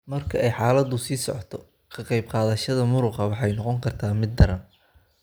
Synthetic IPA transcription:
mɐrkʰɐɛjħɑːlɐd̪ʊsiːsɔ̰ʕɔt̪ʰɔ | kʰɐqɑjb̚qɑːðɐʃɐðɐmʊɾʊqɐwɑħɑjnɔqɔŋkʰɐrt̪ʰaːmɪd̪̚ːɐɾɐn

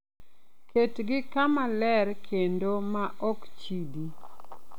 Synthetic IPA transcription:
ketɡɪkamalɛɾkʰendomaʔɔkt͡ʃidi

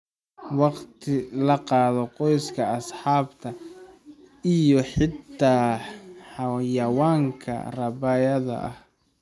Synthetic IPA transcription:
wɑqt̪ʰɪlɐqɑːðɔqɔjskʰɐɑsħɑːbt̪ʰɐ | ɪjɔħɪt̪ʰːaːħɑwjɑwaːŋkʰɐ̰rɑbɐjɐðɐ̰ʔɐ̰h

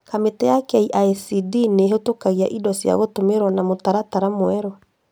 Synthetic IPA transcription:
kametɛjakaiʔaɛsidineɦotokaɣiaʔidɔsja̰ɣotomeɾwanamotaɾataɾamoɛɾɔ

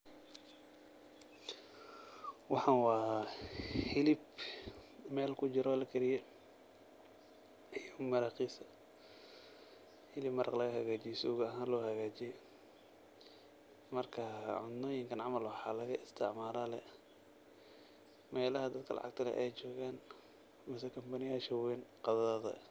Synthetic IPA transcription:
wɑħɑːnwɑːahɪlɪb | mɛːlkʰʊt͡ʃɪɾɔlɐkʰɛɾɪjɛ | jmɐɾaːqiːsɐ | hɪlɪbmɐɾʔɑqlɐɣɐhɐɣaːt͡ʃijsṵːɣɐɦaːnlɔːhɐɣaːt͡ʃɪjɛ | mɐrkʰɐʕʊ̰nɔːjɪŋkʰɐnʕɑmɐlwɑħɑlɐɣɐʔɪst̪ʰɪ̰ʕmaːɾaːlɛ | mɛːlɐɦɐd̪ɐd̪kʰɐlɑ̰ʕɑ̰ɡ̚t̪ʰɐlɛ̰ʔɛjt͡ʃɔːɣaːn | mɪsɛkʰɐmbɐnɪjaːʃɐwɛnqɑðɐɐðɐ̰

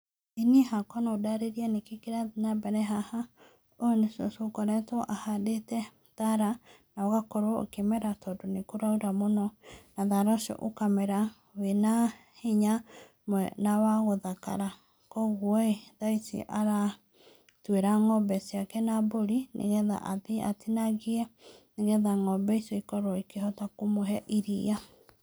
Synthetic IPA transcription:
inihakɔnaodaɾeɾianekekeɾanabɛɾɛɦaha | onesosokɔɾɛtɔʔahadetɛ | ðaɾa | naɔɣakɔɾwo̰kemɛɾatɔdonekoɾaoɾamonɔnaðaɾɔʃo̰ʔokamɛɾa | wena | heɲa | mwɛnawaɣoðaka̰ɾa | kɔɣwɔeðaisḭʔaɾa | tweɾaŋɔbɛsiakɛnaboɾinʔḛɣɛða̰ʔaðia̰tinaɣiɛneɣɛðaŋɔbɛisɔikɔɾoɔikeɦɔtakomoɦɛʔiɾia

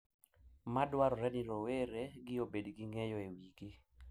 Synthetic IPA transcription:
madwaɾɔɾɛnɪɾoweɾeɡɪobedɡɪŋejɔewiɡi

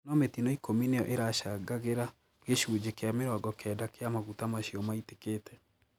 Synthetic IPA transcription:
nɔmetinɔikomineɔʔeɾaɕaɡaɣeɾa | ɣeʃuːd͡ʑekeameɾɔɡɔkɛdakeamaɣutamaɕiɔmaite̥keːtɛ

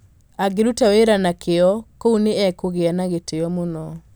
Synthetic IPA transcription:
aɡeɾutaweɾanakʰeɔkouneɛkoɣeanaɣeteɔmonɔ

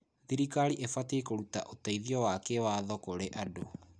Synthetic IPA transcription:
ðiɾikaɾiʔefatekoɾutaʔotaiðiɔwakewaðɔkoɾeʔado

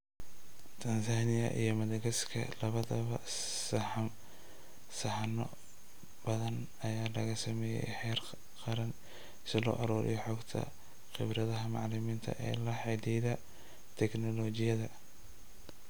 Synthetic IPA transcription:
t̪ʰɐnsaːnɪjɐ̰ʔijɞmɐðɛɡɐskʰɐ̰lɐβɐðɐβɐ̰ | sħ | sɐħɑnɔ̰ | bɐðɐn | ɐjaːlɐɣɐsɐmɛːjɛ̰jħɛːr | qɑɾɐn | sɪlɔ̰ːʔɐɾɔːɾʔɪ̰jɔħɔːɡt̪ʰɐ̰ | χɪbɾɐðɐɦɐmɑʕlɪmiːnt̪ʰɐ̰ʔɛ̰ːlɐħɛd̪iðɐ | t̪ʰɛɡnɔlɔt͡ʃɪjɐðɐ

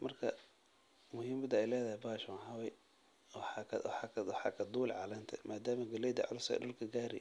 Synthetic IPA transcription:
mɐrkʰɐ | mʊhiːmɐd̪ɐɛjlɛːðɐhɛjbaːʃwaɦɐwɛj | wħɑkʰɐ̰wɑħɑkʰɐwħɑ̰ːkʰɐd̪uːlʕɑlɐnt̪ʰɐ̰mʔaːd̪aːmɐɡɐlɛd̪ɐʕʊlʊsɐ̰ɖʊlkʰɐɡaːɾɪ̰

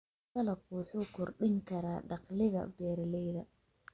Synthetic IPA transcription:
kɐlɐkuːħʊkʰʊrɖɪŋkʰɐɾaːɖɑqlɪɣɐ̰bɛːɾɐlɛjðɐ

